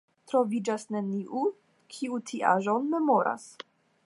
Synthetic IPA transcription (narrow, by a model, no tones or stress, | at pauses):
t̪ɾo̞vid͡ʒasneniʔu | kʰiutʰiʔa̰ʒonme̞moɾa̰s